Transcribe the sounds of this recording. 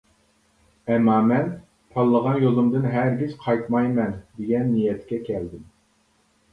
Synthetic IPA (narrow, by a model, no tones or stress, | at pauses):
ɛmːɑːmɛn | t̪ʰɑlˠːəʁɑnjolˠumd̪ɨnɦæɾɡʲiz̥qʰɑjt̪mɑjmɛnd̪eɡʲɛnːijɛt̪kʲɛkʲʰɛld̪ɪm